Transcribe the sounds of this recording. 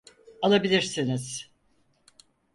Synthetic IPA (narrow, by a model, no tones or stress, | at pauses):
alˠabilʲiɾsiniz̥